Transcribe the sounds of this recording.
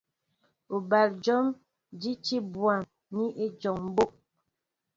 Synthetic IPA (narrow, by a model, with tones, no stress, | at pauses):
u˨ba˨ld͡ʒɔ˦m | d͡ʒi˦t͡ʃi˦bwa˨m | ni˦ʔe˦d͡ʒɔ˨ŋm̩˦bo˦ʔ̚